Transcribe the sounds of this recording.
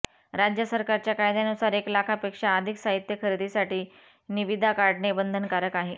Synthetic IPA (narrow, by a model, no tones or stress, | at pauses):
ɾad͡ʑjəsəɾkaɾt͡ɕjakajd̪janusaɾeklakʰapekʂaːd̪ʱiksaɦit̪jəkʰəɾid̪ʱisaʈiː | niʋid̪ʱakaɽɳebənd̪ʱənkaɾəkaɦe